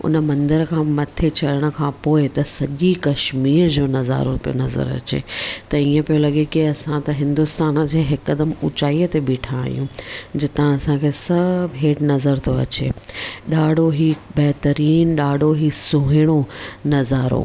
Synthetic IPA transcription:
ʊ̰nə̆mɐ̃nd̪əɾkʰãːmɐt̪ʰet͡ɕɐləɽ̃ə̆kʰãːpoːɪt̪ɐsɐʄikɐʃmiːɾd͡ʑoːnɐza̰ːɾopijo̰nɐzə̰ɾɐ̰t͡ɕḛːt̪ɐiːə̃pijolɐɠekiɐsãt̪ɐɦɪ̃nd̪ʊst̪aːnd͡ʑeːɦɪkːəd̪əmʊ̰t͡ɕaːijət̪eɓiːʈʰa̰ːijũd͡ʑɪt̪ãɐsãkʰesɐbɦeːʈnɐzəɾt̪ʰoɐ̰t͡ɕḛːɗaːɖʱoɦibɐɦt̪əɾiːnɗaːɖʱoɦisʊ̃ɦɪɽ̃onɐzaːɾo̰

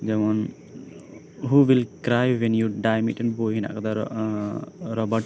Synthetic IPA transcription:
d͡ʒɛmãn | ɦuʋilkɾajʋɛ̃njuɖajmiʈɛnbojɦina̰ʔkat̪a | ɾɔbəʈ

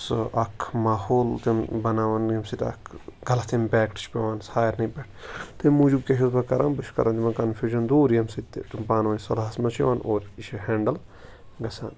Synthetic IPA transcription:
sʔɐkʰmaːhoːlt̪embɐnaːʋɐnjɐmsit̪ɐ̰kʰɡɐlɐt̪empʲɛːkʈt͡ʃʰpeʋaːnsaːjɐɾnɐpeʈʰt̪emud͡ʒub̚keʃ̬ɐzbɐkɐɾʔãːnbɨʃʰkɐ̰ɾʔãnt̪imɐkɐnfʰʲuːʒɐnd̪oːɾjɐmsit̪t̪upaːnʋɐːnʲsɐlaɦɐsmɐt͡ʃʰiʋaːnoːɾiʃɦẽːɳɖɐl | ɡɐsa̰ːn

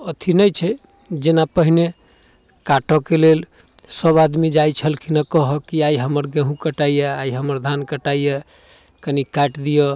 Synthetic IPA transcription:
ət̪ʰinəjt͡ʃʰɛ | d͡ʒenapəɦine | kaʈɔkelel | səbad̪mid͡ʒajt͡ʃʰəlkinakɔɦəkiaiɦəməɾɡə̃ɦũkəʈaijɛaiɦəməɾd̪ʱankəʈaijɛ | kənikaʈd̪ijɔ

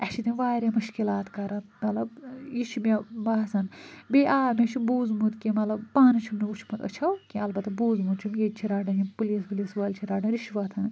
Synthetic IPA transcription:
ɐʃʰit̪iʋaːɾʲemuʃkilaːt̪kɐɾɐnmɐlɐbjit͡ʃʰimʲebaːsɐnbeʔaːmʲet͡ʃʰibuːzmud̪kʲimɐlɐbpaːnit͡ʃʰimniut͡ʃʰmut̪ɐ̰t͡ʃʰɐwkʲĩɐlbɐt̪ɐbuːzmud̪t͡ʃʰimjet͡ʃʰiɾaːɖɐ̃d͡ʒipuliːspulisʋɐːlʲt͡ʃʰiɾaːɖɐɾiʃʋɐt̪ʰɐn

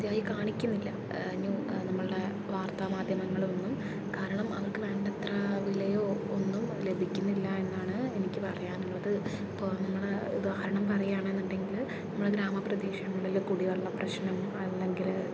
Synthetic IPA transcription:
d̪jaːjikaːɳikʲːunːilːɐ̰ | aɲːunɐmːɐɭɨɽe̞ | ʋaːrt̪aːmaːd̪ʱjɐmɐŋːɐɭo̞nːum | kaːɾɐɳɐmɐ̰ʋɐrkɨʋe̞ːɳɖɐt̪raʋilejo̞ːonːumle̞bʱikʲːunːilːɐe̞nːaːɳɨenikʲːɨpɐrɐjaːnulːɐðɨ | ipːoːnɐmːɐɭeud̪aːhɐɾɐɳɐmpɐrɐjaːɳe̞nːuɳɖe̞ŋɡilnɐmːɐɭeɡɾaːmɐprɐd̪iːʂɐŋːɐɭilkuɽiʋɐɭːɐprɐɕnɐmɐlːe̞ŋɡil

